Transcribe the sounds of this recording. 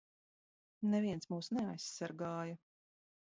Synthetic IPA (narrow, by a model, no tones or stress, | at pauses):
nɛvʲiɛnsmuːsnɛajsːaɾɡaːjɐ